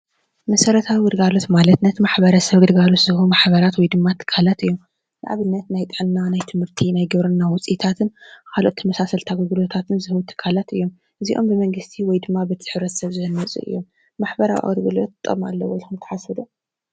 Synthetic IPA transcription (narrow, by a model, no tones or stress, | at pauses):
mɐsɐɾɐt̪ʰawiɡɨɾɡalo̞t̪malɐt̪nɐt̪ʰimaħbɐɾɐsɐβɡɨd̪ɡalo̞t̪zɨhumaħbɐɾat̪wɔjd̪ɨmːat̪ʰːɨ̥kʰːalat̪ɨjːom | za̰ʕaβɨnːɐt̪najt̪ʼɨʕnnanajt̪ʰɨmhɨɾt̪ʰinajɡɨβɾɨnːawʊt͡sʼit̪ʰat̪ʰɨnkʰalʔo̞̰t̪ʰːɐmɐsasɐlt̪ʰaɡɨɡɨlot̪ʰat̪ʰɨnzɨhɨwut̪ʰɨ̥kʰːalat̪ɨ̰jːo̞m | ʔɨziʔo̞mbɨmɐŋɡɨst̪ʰiwɔjd̪ɨmːabɨt̪ʰɨ̥ħɨβɾɐt̪sɐβzɨhɨnːɐt͡sʼṵʔɨ̰jːomː | aħbɐɾawʔa̰ʔʼɾɡɨlot̪t̪ʼːo̰ma̰lːɐwɔjlxɨmt̪ʰɐ̥ħasɨd̪u